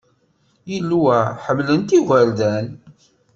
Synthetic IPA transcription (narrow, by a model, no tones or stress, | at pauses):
jilːwæħəmlənt̪iʝʷæɾðæn